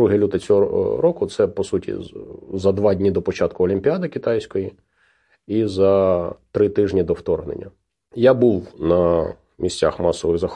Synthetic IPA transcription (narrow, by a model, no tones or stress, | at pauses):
uɦɪlʲut̪ɪt͡sʲɔɦɔɾɔkʊt̪sɛpɔsutʲḭzɐd̪ʋɑdʲnʲid̪ɔpɔt͡ʃɑt̪̚kʊɔlʲimʲpʲiad̪ɪkʲit̪ɑjsʲkɔji | izɐt̪ɾɪt̪ɪʒnʲid̪ɔwt̪ɔrɦnḛnʲːɐ | jabuʋnɐ | mʲisʲt͡sʲa̰xmɑsɔʋɪɣzɐx